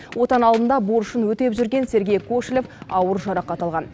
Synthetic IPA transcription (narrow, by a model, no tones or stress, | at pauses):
wʔo̞t̪ɑnɑlˠd̪ənd̪ɑboɾʊʃənwɵt̪e̞pʒʏɾɡʲe̞nse̞ɾɡʲe̞jkʰoʃlʲefɑwəɾʒɑɾɑqːɑt̪ɑlˠʁɑn